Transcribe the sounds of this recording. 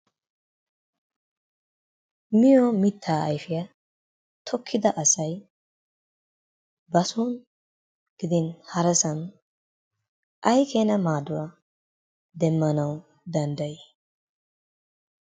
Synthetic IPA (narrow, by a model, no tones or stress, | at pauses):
mɪjɔmɪt̪ʰːaːɐjfɪjɐ | t̪ʰɔkʰːɪd̪ɐʔɐsɐj | bɐsuːn | ɡ̥ɪd̪ɪnhɐɾɛsɐn | ʔɐjkʰeːnɐmaːd̪ʊwa | d̪ɛmːɐnɐw | d̪ɐnd̪ɐjɪ